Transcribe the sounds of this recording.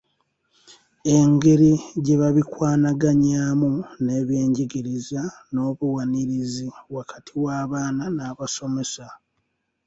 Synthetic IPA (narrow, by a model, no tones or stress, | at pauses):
e̞ŋɡe̞ɾiɟe̞βaβikwaːnaɡaɲaːmune̞ːβje̞ːɲɟiɡiɾizano̞ːβuwaniɾiziwakatʰiwaːβaːnanaːβaso̞me̞sa